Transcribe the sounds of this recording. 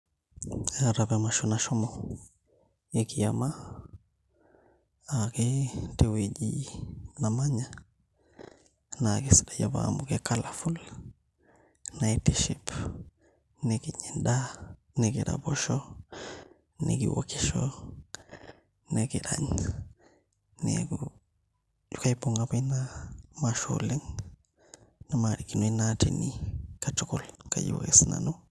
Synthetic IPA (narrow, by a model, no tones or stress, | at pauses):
aɾabemaʃonaʃomo | jekijama | akitewed͡ʒinamaɲa | nakisdaja̰ba̰mukekalaful | naitiʃip | nekiɲinda | neɡiɾa̰boʃo | nḛɡḭwo̰kiʃo | neɡiɾaɲ | nḛɡu | jukajboŋɡabinamaʃo̰liŋ | namaɾikinojnatḭnikatokolkaɟḭwo̰ɡisna̰nu